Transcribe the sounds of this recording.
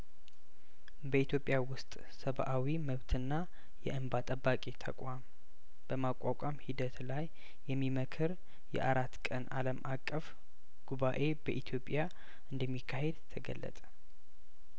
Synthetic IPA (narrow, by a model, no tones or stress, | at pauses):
bəit̪ʰjo̞pʼjawʊst̪ʼ | səβʔawiməβt̪ʰɨnːa | jɛ̰ʔɨmbat̪ʼəbːakʼet̪ʰə̰kʼwam | b̥əmakʷʼːakʷʼamhid̪ət̪lajː | ɛmːiməkʰɨɾ | jɛ̰ʔaɾat̪ːkʼənaləmʔakʼːəf | ɡ̥uβaʔe̞bəʔit̪ʰjo̞pʼja | ɨnd̪əmːikʰːahe̞d̪t̪ʰəɡə̰lːə̰t̪ʼə̥